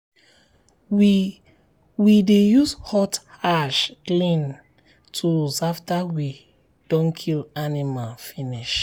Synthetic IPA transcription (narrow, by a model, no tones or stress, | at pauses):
w | widejushɔtaʃklĩn | tʰuzaftawi | d̥ɔ̃nkʰilanimalfiniʃ